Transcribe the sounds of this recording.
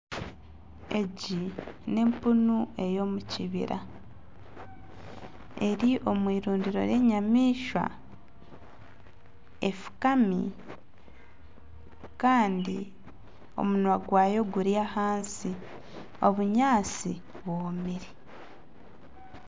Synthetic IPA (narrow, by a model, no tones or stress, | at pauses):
e̞ɟine̞mpunue̞jo̞ːmuciβḭɾa̰ | e̞ɾiʔo̞mwiːɾuːndiɾo̞̰ɾe̞ɲamiːʃwa̰ | e̞fu̥kamḭ | kaːndi | o̞̰munwaɡwaːjo̞ɡuɾjahaːnsi | o̞βuɲaːsi | βwoːmiɾi